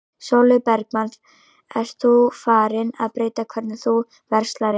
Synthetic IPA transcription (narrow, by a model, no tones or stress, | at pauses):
sowlʏpɛɾk̚manθ | ɛɾ̥t̪θufaːɾɪna̰ðpɾeːjt̪akʰvɛɾt̪nɪθu | vɛɾ̥st̪laɾɪ